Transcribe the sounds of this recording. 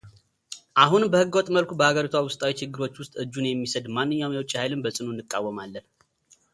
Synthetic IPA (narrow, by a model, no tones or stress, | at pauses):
ʔaɦunbəhɨɡot̪ʼməlkʷʰubəhaɡəɾit̪ʰwawʊst̪ʼawit͡ʃʰɪɡːɨɾo̞t͡ʃːwʊst̪ʼɨd͡ʒːunjɛmːisəd̪manːɨɲːawumjɛwt͡ʃʼːihajlɨnbəsʼɨnunːɨkʼːawːəmalːən